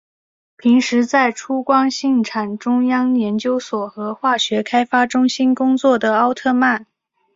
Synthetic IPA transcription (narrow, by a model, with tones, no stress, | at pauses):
pʰi˧˥ŋʂɻ̩˧˥t͡sa˥˩ɪʈ͡ʂʰu˥kwɑ˥ŋɕi˥˩ŋʈ͡ʂʰa˨˩nʈ͡ʂʊ˥ŋjɑ˥ŋjɛ˧˥nt͡ɕjo˥ʊswɔ˨˩xɤ˧˥xwa˥˩ɕɥɛ˧˥kʰa˥ɪfa˥ʈ͡ʂʊ˥ŋɕi˥nkʊ˥ŋt͡swɔ˥˩d̪ə˩ɑ˥ʊt̪ʰɤ˥˧ma˥˩n